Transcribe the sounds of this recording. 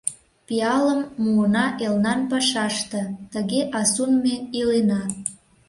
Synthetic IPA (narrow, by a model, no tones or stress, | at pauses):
piɑləmːuənɑʔelnɑnpɑʃɑʃt̪ə̆t̪əɣeʔɑsunmeilenɑ